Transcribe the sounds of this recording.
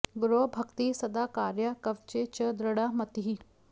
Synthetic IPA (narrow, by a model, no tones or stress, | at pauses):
ɡɾobʱɐkt̪isɐd̪aːkaːɾjəkəʋt͡ɕet͡ɕəd̪ɾəɽamɐt̪iɦi